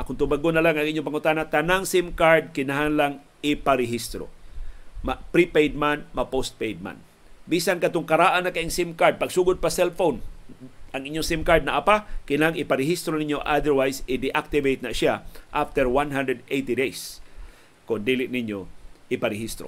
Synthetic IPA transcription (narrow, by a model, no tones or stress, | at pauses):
ʔakʊnt̪ʊbaɡʊnalaŋʔaŋʔiɲːop̬aŋʊt̪aːnat̪anaŋsimkaɹd̪̚kɪnaɦaŋlaŋ | ɪpaɾɪɦist̪ɾo̰ | mapɾipejd̪̚manmapost̪̚pejd̪̚ma̰n | bisankat̪ʊŋkaɾaʔanːakaʔɪŋsimkaɾd̪̚paɡsuːɡʊd̪̚pasɛlfown | ʔaŋʔiɲjoŋsimkaɹd̪naʔapakɪnaɦaŋɪpaɾɪɦist̪ɾoniɲoʔad̪ɛɹwajsɪd̪ɪʔak̚t̪ɪvejt̪̚naʃaʔaft̪ɛɹwanɦand̪ɾəd̪ejt̪idejs | kʊnd̪iːlɪʔnɪɲjoʔɪpaɾɪɦist̪ɾo̰